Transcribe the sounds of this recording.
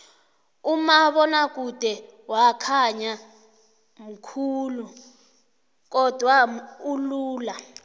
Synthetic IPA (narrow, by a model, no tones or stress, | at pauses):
umaβɔnak̬ud̥ʱɛ | wakʰaɲa | m̩kʰuːlu | k̬ɔd̥ʱwauluːla